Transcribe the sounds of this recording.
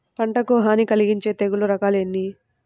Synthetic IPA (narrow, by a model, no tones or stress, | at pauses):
pɐɳʈɐkoːɦaːnikɐliɡiɲt͡ʃe̞ːt̪eɡuluɾɐkaːlenːi